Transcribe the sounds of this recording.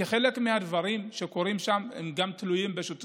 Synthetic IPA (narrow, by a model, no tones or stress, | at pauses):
eχe̞le̞kmihad̪vaʁimʃe̞ko̞ʁimʃamhḛmɡamt̪lujimbeʃut̪